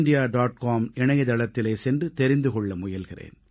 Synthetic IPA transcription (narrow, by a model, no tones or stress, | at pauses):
nɖɪjaːɖaːʈ̚kaːmɪɳɐjɐðɐlɐt̪ːɪleːsɛndrɯt̪ɛɾɪnd̪ɯkɔɭːɐmʊjɐlɣɪrḛːn